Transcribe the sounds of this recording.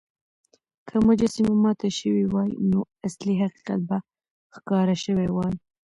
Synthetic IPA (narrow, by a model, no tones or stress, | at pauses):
kʰəmʊd͡ʒasimamɑt̪aʃəwiwɑjno | asliɦaqi̥qa̰t̪̚ba | xkɑɾaʃəwewɑj